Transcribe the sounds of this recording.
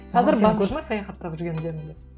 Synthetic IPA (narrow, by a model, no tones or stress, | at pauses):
qʰɑzɪɾbɑkɵzmɑsɑjɑχɑt̪ːɑʁəʒʏɾɡʲe̞nɪd̪enɪŋd̪e